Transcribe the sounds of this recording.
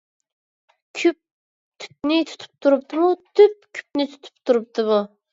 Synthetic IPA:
kʲʰyp̚ | t̪ʰy̥p̚nɪt̪ʰu̥t̪ʰu̥p̚t̪ʰuɾup̚t̪ɨmut̪ʰyp̚kʲʰy̥p̚nɪt̪ʰu̥t̪ʰɨ̥p̚t̪ʰuɾɨp̚t̪ɨmu

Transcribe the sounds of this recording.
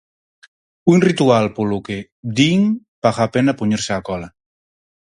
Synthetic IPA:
unrit̪ualpoluke | d̪iŋ | paɣapenapuɲiɾseakɔla

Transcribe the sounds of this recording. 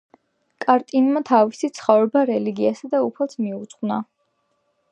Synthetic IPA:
kʼaɾt̪ʼinmat̪ʰavisit̪sʰχɔvɾɛbaɾɛliɡiasad̪aupʰɛlˠsʰmiut̪sχwna

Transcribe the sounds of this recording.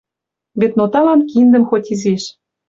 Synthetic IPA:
βet̪not̪ɑlɑnkind̪ə̆mxotʲizeʃ

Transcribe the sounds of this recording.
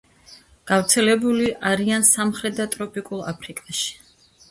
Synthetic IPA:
ɡ̥avɾt̪sʰɛlɛbuliʔaɾiansamχɾɛt̪̚d̪at̪ʼɾɔpʼikʼulˠapʰɾikʼaʃi̥

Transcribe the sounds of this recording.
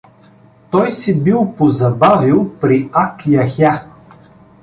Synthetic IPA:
t̪ɔjsibilˠpozɐbavilˠpɾiakjaxa

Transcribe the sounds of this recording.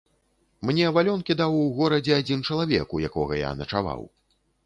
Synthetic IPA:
mnʲɛvalʲɔnkʲid̪awɣɔɾɐd͡zʲɛad͡zʲint͡ʂɐlˠavʲɛ̰kujakɔɣɐja̰nɐt͡ʂava̰w

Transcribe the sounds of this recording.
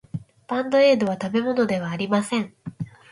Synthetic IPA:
pãnd̪o̞e̞ːd̪o̞βat̪abe̞mo̞no̞d̪e̞β̞aːɾʲimasẽ̞ɴ

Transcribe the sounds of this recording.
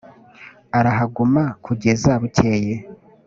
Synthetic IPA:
aɾaɦaɡumakʰuɟe̞zaβuce̞je

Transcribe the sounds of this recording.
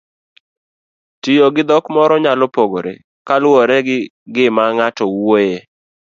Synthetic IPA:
tijoɡɪd̪ɔkmɔɾɔɲalɔpoɡoɾḛ | kalwɔɾɛ | ɡɪmaŋatɔwoje

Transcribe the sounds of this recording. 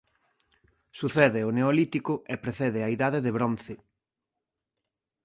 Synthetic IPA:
suθɛðɪʊneolit̪ikʊepɾeθɛðɪaiðaðeðeβɾon̟θɪ

